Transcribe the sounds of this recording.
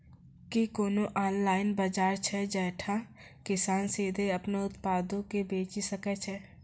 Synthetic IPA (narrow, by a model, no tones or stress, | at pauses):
kikoːnoʔaːnlaːɪnbəd͡ʒaːɾt͡ʃʰɛd͡ʒɛːʈʰa | kɪsaːnseːd̪ʱeɐpneʊt̪paːd̪õkebeːt͡ʃisəkɛt͡ʃʰɛ